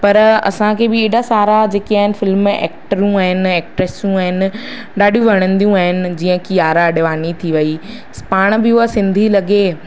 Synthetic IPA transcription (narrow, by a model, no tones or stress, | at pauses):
pɐɾɐ̰sãkʰeːbɪeːɖasaːɾad͡ʑeːkiaːɦɪnɪ̆fɪlmɛ̰ːkʈəɾũaːɦɪnɪɛːk̚ʈɾesjũaːɦɪnɪ̆ | ɗaːɖijũʋɐɽ̃ə̃nd̪ijũaːɦɪnɪ̆d͡ʑiːə̃kijaːɾaɐɗɪʋaːnit̪ʰiʋɐi | paːɽ̃bɪuɦasɪ̃nd̪ʱilɐɡeː